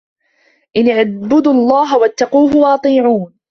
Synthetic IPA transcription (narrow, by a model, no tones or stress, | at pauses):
ʔɪnɪʕbʊd̪ɑlˤːɑːɦawat̪ːɑquːɦʊwaʔɑt̪ˤiːʕuːn